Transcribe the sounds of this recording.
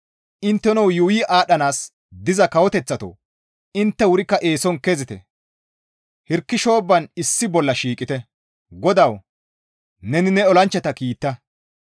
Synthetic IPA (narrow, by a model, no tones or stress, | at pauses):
ʔɪnt̪ːɛnɔwjʊwiːʔaːɗɐnaːs | d̪ɪzɐkɐwɔt̪ɛt͡sːɐt̪o̰ː | ɪnt̪ːɛwʊɾɪkːɐʔeːsɔnkezɪt̪ɛ̰ | hɪɾkːɪʃo̞ːbːɐnɪsːɪbɔlːɐʃiːkʼːɪt̪ɛ | ɡɔd̪ɐw | nɛnɪnɛɔlɐnt͡ʃːɛt̪ɐkiːt̪ːɐ